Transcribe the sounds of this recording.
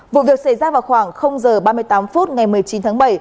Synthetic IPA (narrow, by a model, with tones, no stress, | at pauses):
vṵ˧˨vi˨˩ək̚sa˧˩jzaː˧vaː˨˩wxwaː˧˩ŋxə˧wŋ͡mzəː˨˩ɓaː˧mɨ˧əjt̪aː˨˦mfu˦˥t̚ŋa˨˩jmɨ˨˩əjt͡ɕi˨˦nt̪ʰaː˨˦ŋɓə˧˩j